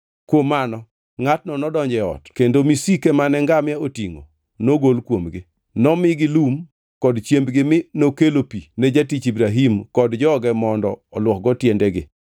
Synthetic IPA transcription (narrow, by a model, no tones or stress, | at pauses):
kwomanɔ | ŋatnɔnɔdɔɲd͡ʒɛɔ̰tkendomisikemanɛŋɡamjaotiŋo̰ | noɡolkwomɡɪ | nɔmɪɡɪlum | kɔdt͡ʃjembɡɪmɪnokelopined͡ʒatit͡ʃibɾaɦimkɔdd͡ʒɔːɡɛmɔndɔːlwɔk̚ɡɔtjendɛɡɪ̰